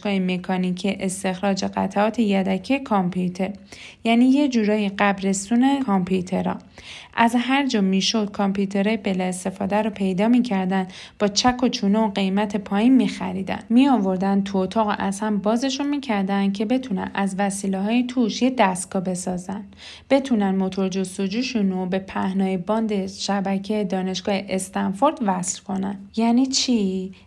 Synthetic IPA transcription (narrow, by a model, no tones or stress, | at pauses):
kɒːjeme̞kʰɒnicʰiʔest̪e̞xɾɒːd͡ʒe̞ɢæt̪ʰæɒːt̪ʰe̞jæd̪æcʰijekʰɒmpʰut̪ʰe̞ɾjæniːje̞d͡ʒuːɾɒːjiɢæbɾe̞st̪uːne̞kʰɒmpʰut̪ʰe̞ɾɒ̰ʔæzɦæɾd͡ʒɒːmiʃo̞d̪̥̚kʰompʰut̪ʰe̞ɾɒːjebelɒest̪e̞fɒːd̪æɾɔpʰe̞jd̪ɒːmiːcʰæɾd̪ænd̪ | b̥ɒːt͡ʃʰækʰot͡ʃʰuːneoɢe̞jmæt̪ʰe̞pʰɒːjiːnmiːxæ̰ɾiːd̪æ̰nmiɒːvo̞ɾd̪ænd̪t̪ʰuot̪ʰɒːɣo̰ʔæzhæmbɒːze̞ʃunmiːcʰæɾd̪ænd̪̥̚cʰe̞be̞t̪ʰunæ̰næzvæsiːleɦɒːjet̪ʰuːʃjed̪æst̪̚ɡ̥ɒbe̞sɒːzænd̪ | b̥e̞t̪ʰunænd̪mo̞t̪ʰo̞ɾd͡ʒo̞st̪o̞d͡ʒuːʃunobe̞pʰæhnɒːjebɒːnd̪eʃæbæcʰejed̪ɒːne̞ʃɡ̥ɒːheʔest̪ɒnfo̞ɾd̪̥væslkʰo̞nænjæniːt͡ʃʰi